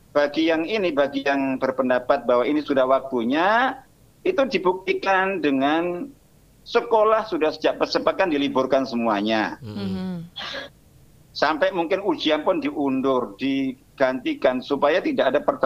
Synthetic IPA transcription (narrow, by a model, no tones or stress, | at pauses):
b̥aɡijaŋinibaɡijaŋbərpəndapat̪̚baɦwainisudahwak̚t̪uɲa | it̪udibuk̚t̪ikandəŋan | səkolahsudahsə̥d͡ʒaʔpərsəpat̪̚kandilibʊrkansəmuaɲa | sampɛjmuŋkɪnud͡ʒianpʊndiʔundʊrd̥i | ɡ̥ant̪ikansupajat̪idaʔadapərt̪ə